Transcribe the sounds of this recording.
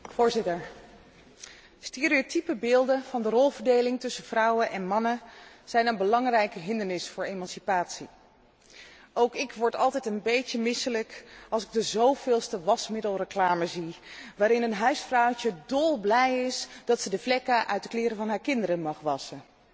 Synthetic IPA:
vʊːɹzɪtəɹ | steːɾiotipəbɪːlˠdənv̥ɑndərɔlˠvəɹdejlɪŋtɵsəv̥rɑwənʔɛnmɑnə | z̥ɛjnənbəlɑŋrɛjkəɦɪndəɹnɪsfʊːɹejmɑnsipaːtsi | owkɪkʋɔɹtɑlˠtɛjtənbejcəmɪsələkɑlˠsɪɡ̚dəzowvɪːlˠstəʋɑsmɪdəlˠrəklaːməziʋaːɾɪnənɦœɥsfrɔwcədɔlˠblɛjɪsd̥ɑtsədəvlɛkaʔœ̰ɥtdəklɪːɾəvɑnɦaːɹkɪndəɾəmɑχʋɑsən

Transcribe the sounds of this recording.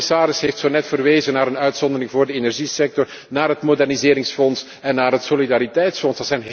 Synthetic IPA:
saːɾɪsɦeːftsonɛtfərʋeːzənaːɾənœɥtsɔnd̪ərɪŋvoːrdəenɛrʒisɛk̚tɔr | naːrɦətmodɛrnizɪːɾɪŋsfɔns | ɛnːaːrɦətsolidaːɾitɛjtsfɔnsəz̥ɛjnɦ

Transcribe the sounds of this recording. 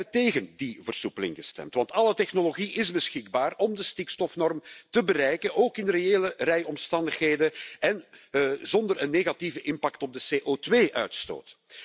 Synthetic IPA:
əteːɣəndivərsupəlɪ̰ŋɣəstɛ̰mtʋɑntɑlətɛxnoloɣiʔɪzbəsxɪɡbaːrɔmdəstikstɔfnɔrmtəbəɾɛjkənʔoːkɪnreeːlərɛjɔmstɑndəxɦeːdəɛnzɔndərənːeːɣativəʔɪmpaktɔb̚dəseːʔotweːʔœɥtsto̰ːt

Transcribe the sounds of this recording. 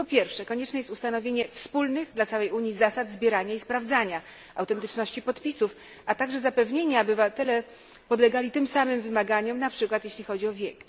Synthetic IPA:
pɔpʲjɛɾfʂɛkɔɲɛt͡ʂnɛjɛst̪ust̪anɔvʲjeɲɛfspulnɘɣd̪lat̪sawɛjuɲizasad̪zbʲjeɾaɲaispɾavd̪zaɲa | awt̪ɛnt̪ɘt͡ʂnɔɕt͡ɕipɔt̪pʲisuf | at̪aɡʐɛzapɛvɲeɲaɔbɘvat̪ɛlɛ | pɔd̪lɛɡalʲit̪ɘmsamɘmvɘmaɡaɲɔmnapʂɘkwat̪jeɕlʲixɔd͡ʑiɔvʲjɛk

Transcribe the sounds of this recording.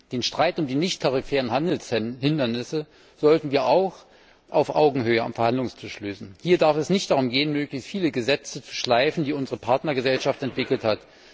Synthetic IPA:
d̥eːnʃtʁ̥aɪtʊmdiːnɪçtʰaʁifɛːʁənhandl̩shɪndɐnɪsə | z̥ɔltn̩viːɐʔaʊx | ʔaʊfʔa̰ʊɡŋ̩høːəa̰mfɛɐhandlʊŋstʰɪʃløːsn̩hiːɐdaɐfɛsnɪçtd̥aʁʊmɡeːənmøːklɪçstfiːləɡəzɛt͡sət͡su̥ʃlaɪfn̩diːʊnzəʁəpʰaɐtnɐɡəzɛlʃaftɛntv̥ɪkl̩that

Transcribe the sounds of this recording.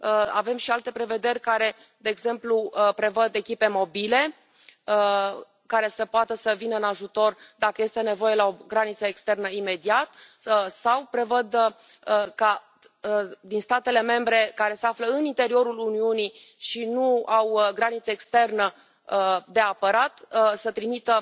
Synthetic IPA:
əa̰ve̞mʃialt̪e̞pɾe̞ve̞d̪e̞rʲkaɾe̞ | d̪e̞ːɡze̞mplupɾe̞vəd̪e̞kʲipe̞mo̞bile̞ | ə | kaɾe̞səpoat̪əsəvinəɨnaʒut̪o̞rd̪akəje̞st̪e̞ne̞vo̞je̞lao̞ɡɾanit̪səekst̪e̞rnəime̞d̪iat̪̚ | sawpɾe̞vəd̪ | ka | d̪inst̪at̪e̞le̞me̞mbɾe̞kaɾe̞se̞afləɨnint̪e̞ɾio̞ɾuluniuni | ʃinuawɡɾanit̪səekst̪e̞rnə | d̪e̞apəɾat̪sət̪ɾimit̪ə

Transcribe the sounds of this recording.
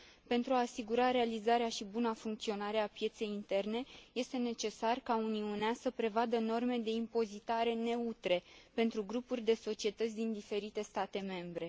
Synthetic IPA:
pe̞nt̪ɾuaːsiɡuɾaɾe̞alizaɾeaʃibunafuŋk̚t̪sio̞naɾe̞apje̞t̪se̞jint̪e̞rne̞je̞st̪e̞ne̞t͡ʃe̞sarkauniuneasəpɾe̞vad̪əno̞rme̞d̪e̞impo̞zit̪aɾe̞ne̞ut̪ɾe̞pe̞nt̪ɾuɡɾupurʲd̪e̞so̞t͡ʃie̞t̪ət̪sʲd̪ind̪ife̞ɾit̪e̞st̪at̪e̞me̞mbɾe̞

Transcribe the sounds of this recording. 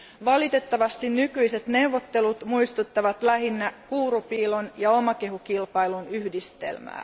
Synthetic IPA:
ʋɑlit̪e̞t̪ːɑʋɑst̪inːykyjset̪ne̞wʋːot̪ːe̞lut̪muijst̪ut̪ːɑʋɑt̪læɦinːækuːɾupiːlonjɑo̞mɑke̞ɦukilpɑjlunyhdist̪e̞̰lmæ̰ː

